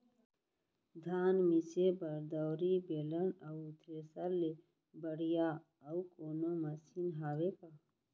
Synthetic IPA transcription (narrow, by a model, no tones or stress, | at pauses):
d̪ʱaːnmisebəɾd̪əwɾibeːlənət̪ɾesalːe | bəɽija | əwkoːnoməsiːnɦaːweka